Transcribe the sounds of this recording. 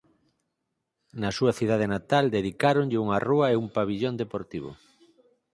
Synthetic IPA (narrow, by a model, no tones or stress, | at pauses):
nɐsuɐθiðað̞enat̪ald̪eðikaɾonʎɪuŋaruɐeumpaβiʎond̪epoɾt̪iβ̞o̰